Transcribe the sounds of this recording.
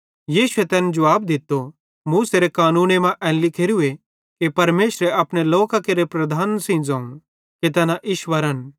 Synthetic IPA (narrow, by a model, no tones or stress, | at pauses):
jiːʃʊet̪ɛːnɛd͡ʒɐʋaːbd̪ɪt̪ːo | mũseːɾekaːnũːnemãʔɛ̃ːnlɪkʰeːɾue | kepɐɾmeːʃɾeɐpɽ̃eloːkakeɾepɾɐd̪ʱaːnsĩd͡zãːũ | ket̪̬ɛːnaʔɪʃʋəɾən